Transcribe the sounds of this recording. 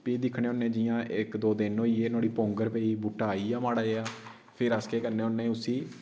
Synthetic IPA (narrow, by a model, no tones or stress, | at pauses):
piːd̪ɪkʰɽeːonːẽːd͡ʒɪjãːʔɪkd̪oːd̪ɪnoːiːeːnaːɽiːpõːŋɡəɾpɛːiːbuːʈaːiːjaːmaːɽaːeaː | pʰɪɾaskeːkəɾneːoːnːẽːʊsiː